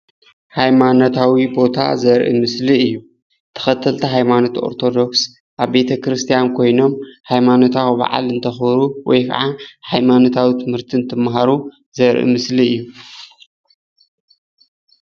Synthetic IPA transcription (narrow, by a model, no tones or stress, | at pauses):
hajmanot̪ʰawibo̞t̪ʰa̰zɐɾʔḭmɨsliɨjːu | t̪ʰɐ̥xɐt̪ʰːɐlt̪ʰɐɦajmano̞t̪ʰio̞̰ɾt̪ʰo̞d̪o̞ks | ʔaβbe̞t̪ʰɐkɾɨst̪ʰijankʰo̞jno̞mhajmano̞t̪ʰawba̰ʕa̰lɨnt̪ʰɐxbɾuwɔ̰jkʰɐ̰ʕahajmanot̪ʰawit̪ʰɨmhɨɾt̪ʰint̪ʰɨmːɦaɾu | zɐɾʔḭmɨsliɨjːu